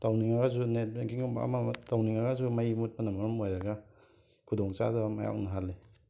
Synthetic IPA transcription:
tawniŋaɡazunet̚beŋkiŋoba̰matawniŋaɡazumajmut̚pɐnamaɾɔmojɾɐɡa | kʰudoŋt͡ʃa̰dɐmaja̰wnɐɦalːe

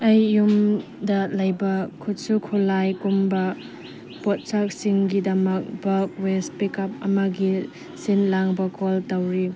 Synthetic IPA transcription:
ɐjːum | dɐlɐjbɐkʰut̚sukʰulajkumbɐ | pot̚sak̚siŋɡidɐmɐk̚bɐk̚wespikɐp̚ɐmɐɡi | sinlaŋbɐkoltɐwɾi

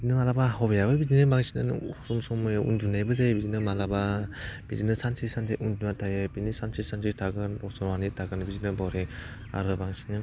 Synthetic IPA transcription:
bidinɯmalabaɦɔbjabɯbidinɯbaŋsinɯ̰nsumsɔmɯjʔṵndunajbɯzabidinɯmalabab̥ḭdinɯsansisanzejʔundunatʰajɯbinisansisanzetʰaɡɯnɔsɔɾanitʰaɡɯnbidinɯbawɾe | a̰ɾɯbaŋsinɯ

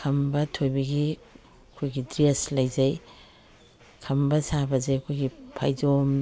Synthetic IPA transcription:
kʰɐmbɐtʰojbɐɡi | ɐkʰojɡidɾeslɐjzɐj | kʰɐmbɐsabɐzɐjɐkʰojɡipʰa̰jd͡ʒom

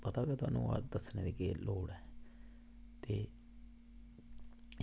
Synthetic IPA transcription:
pət̪aːkeːt̪ʊa̰ːnːũːa̰d̪əsneːd̪eːkeloːɽɛː | t̪eː

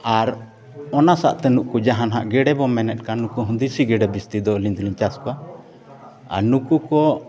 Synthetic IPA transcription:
aɾ | ɔnasa̰ʔt̪ɛnuʔkud͡ʒaɦanɦa̰ʔɡɛɽɛbɔmɛnɛt̪̚ˀkanukuɦũnd̪isiɡɛɖɛbist̪id̪ɔlint̪liɲt͡ʃaskɔa | a̰ɾnukukɔ

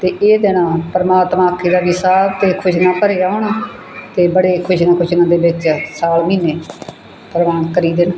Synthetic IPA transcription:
t̪eːʔeːd̪eːnãːpəɾəmaːt̪mãːkʰːiːd̪aːʋiːsaːbt̪eːkʰʊʃnaːpəɾeːaːɦoːnaː | t̪eːbəɽeːkʰʊʃnaːkʰʊʃnãːd̪eːbɪt͡ʃsaːlmiːneː | pəɾəʋaːnkəɾiːd̪eːna

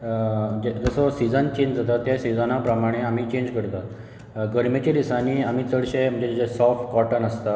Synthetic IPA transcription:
d͡ʑed͡zəsɔsid͡zənt͡ɕeɲd͡ʑd͡zʱat̪at̪jasid͡zənapɾəmaɽ̃eam̤iːt͡ɕẽɲd͡ʑkəɾt̪a | ɡəɾmet͡ɕed̪isaniːam̤iːt͡səɽɕem̤əɳd͡ʑed͡ʑed͡ʑesɔfʈkɔʈənəst̪a

